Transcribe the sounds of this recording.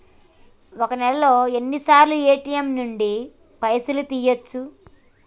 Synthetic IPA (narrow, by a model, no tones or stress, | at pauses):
okɐnɛlɐlo̞ːe̞nːisaːɾlueːʈijɐmnuɳɖi | pɐjɐsulut̪iːjot͡ʃːu